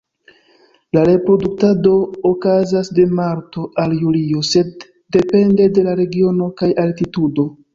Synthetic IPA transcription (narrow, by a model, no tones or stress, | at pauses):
laɾe̞pɾo̞duk̚tado̞ːkazasde̞maɾto̞ʔaljulio̞se̞d̚ː | e̞pe̞nde̞de̞laɾe̞ɡio̞no̞kajaltitudo̞